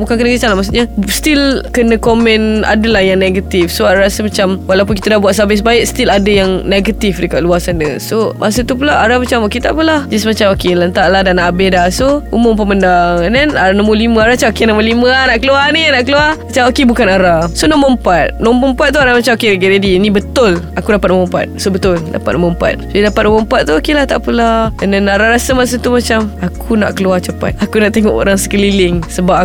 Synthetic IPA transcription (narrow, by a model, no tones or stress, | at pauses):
bukankənəkit͡ʃalamasuʔɲast̪ilkənə̃komɛ̃nʔa̰dəlahjaŋneɡat̪ifsoaɾaɾasəmat͡ʃamwalawp̬ʊnkit̪adabuaʔ̪̚sabɪsbaɪʔ̚st̪iladəjaŋneɡat̪ifdəkaʔ̚luasanəsomʔas̬ət̪up̬ulaʔaɾamat͡ʃamokit̪a̰ʔpəlahd͡ʒasmat͡ʃamokelənt̪aʔlahdanaʔabɪhdahsoṵmʊmpəməndaŋnɛnaɾanəmulimə̃aɾat͡ʃaokenəməlimənaʔkəluaninaʔkəluaat͡ʃaokebukanaɾasonɔməəmpat̪̚nɔ̃mbəmpat̪̚ːuaɾamat͡ʃamokeɾəɡɛʔdadinĩbət̪ʊlakudapat̪̚nomɔmpa̰t̪̚sobət̪ʊlda̰pat̪̚noməəmpa̰t̪̚soidapat̪̚numompat̪̚ːuokelaht̪a̰ʔpəlananaɾaɾasamas̬ut̪umat͡ʃamakʰuna̰ʔkəluat͡ʃəpa̰t̪̚akunaʔt̪eŋɔ̰ʔo̰ɾaŋsə̥kəlilɪŋsəbapa